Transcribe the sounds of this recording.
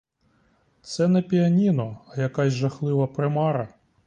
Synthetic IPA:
t̪sɛnɛpʲiɐnʲinɔɐjɐkɑsʲʒɐxlˠɪʋɐpɾɪmɑɾɐ

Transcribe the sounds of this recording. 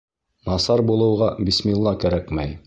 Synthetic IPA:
mɑsɑɾbulˠɤ̆wʁɑbismilˠːɑkæɾækmæj

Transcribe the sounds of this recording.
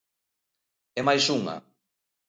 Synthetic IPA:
ɛmajsuŋa̰

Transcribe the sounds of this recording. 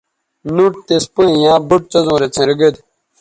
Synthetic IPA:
nuʈ̚t̪espuĩjãːbuʈ̚t͡sɐzõːɾet͡sʰẽɾəɡəd̪

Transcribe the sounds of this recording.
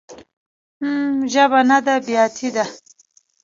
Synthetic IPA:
mʒabanad̪abjɑt̪ʰid̪a

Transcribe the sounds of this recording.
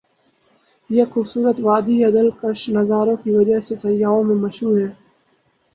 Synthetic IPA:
jeːxuːbsuːɾət̪ʋaːd̪iːəd̪əlkəʃnəzaːɾõːkiʋəd͡ʒaɦsesəjaːõːmẽːməʃuːɦɛː

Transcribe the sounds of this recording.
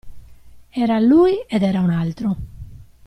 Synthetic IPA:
ɛːɾaluːjed̪ɛːɾaunalt̪ɾu

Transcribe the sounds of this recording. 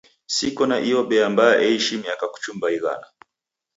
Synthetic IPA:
sikɔnaʔiɔɓɛambajaʔɛiʃimiakaku̥t͡ʃumbaiɣa̰na

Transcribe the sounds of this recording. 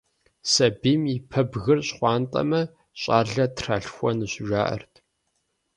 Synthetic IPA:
sɐbiːmipʰɐbɣɨrɕχʷɑːntʼɐ̰mɐ | ɕʼaːɮɐtʰraːɬxʷɔnɨɕʊʒʷaːʔɐ̰rtʰ

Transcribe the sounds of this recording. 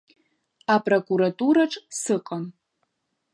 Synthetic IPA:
apʼrokʷʼuɾatʼuɾaʈ͡ʂʼsɨqʼam

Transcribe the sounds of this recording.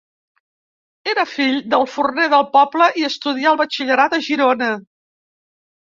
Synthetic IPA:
eɾəfiʎd̪əlˠfurneðəlˠpɔbləʔiəst̪uðiaəlˠβət͡ʃiʎəɾat̪əʒiɾonə

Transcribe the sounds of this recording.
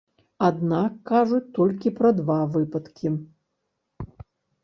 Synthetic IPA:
ad̪nakːaʐut͡sʲt̪ɔlʲkʲipɾɐd̪vavɨpɐt̪kʲʰi

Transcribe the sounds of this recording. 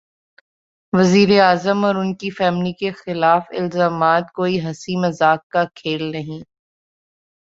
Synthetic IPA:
ʋɐziːɾeaːzəmɔːɾʊnkifɛːmlikexɪlaːfɪ̰lzaːmaːt̪̚koːiɦɐsimɐzaːkːakʰeːlnɐɦĩː

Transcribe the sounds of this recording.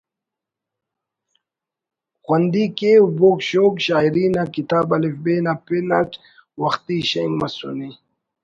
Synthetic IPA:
xwand̪ikeubokɕoːkɕaːiɾiːnakit̪aːbɐlifbeːnapenat͡ʃ | wɐxt̪iɕɐŋɡmɐsṵni

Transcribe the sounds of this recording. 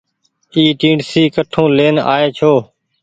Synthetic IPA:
iːʈĩːɖsiːkəʈʰõːleːna̰ːeːt͡ʃʰoː

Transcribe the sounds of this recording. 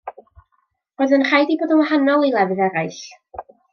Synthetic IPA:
roðənr̥ajdiboːdənwahanɔlˠilˠɛvɨðɛɾajɬ

